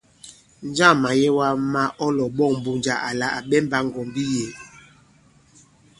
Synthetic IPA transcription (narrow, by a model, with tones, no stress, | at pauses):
n˦d͡ʒa˦˨ma˨jɛ˦wa˦ma˦ʔɔ˦lɔ˨ɓɔ˦˨ŋm̩˨bu˨nd͡ʒa˨ʔa˨la˨ʔa˨ɓɛ˦mba˦ŋ˨ɡɔ˨mbi˦je˨